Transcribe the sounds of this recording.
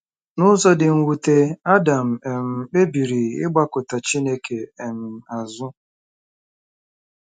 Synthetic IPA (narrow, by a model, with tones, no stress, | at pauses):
nʊ˦zɔ˦dɪ˨ŋ̩˨wu˨te˦a˦da˨m̩˨e˨m̩˨k͡pe˦bi˨ɾi˨ɪ̰˦ɡ͡ba˦kʊ˨ta˨t͡ʃi˦ne˦kʰe˨m̩˨a˨zʊ˦